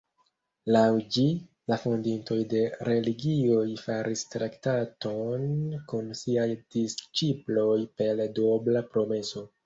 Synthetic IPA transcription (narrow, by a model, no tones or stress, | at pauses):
lawd͡ʒi | lafondinto̞jde̞ɾe̞liɡio̞jfaɾʔistɾaktato̞nkunsiajd̥ist͡ʃiplo̞jpe̞ldoblapɾo̞me̞so̞